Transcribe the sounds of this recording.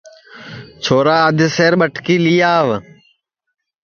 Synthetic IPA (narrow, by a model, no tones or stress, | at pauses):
t͡ʃʰoːɾaːəd̪ʱɪseːɾɓəʈʰkiːliːjaːʋ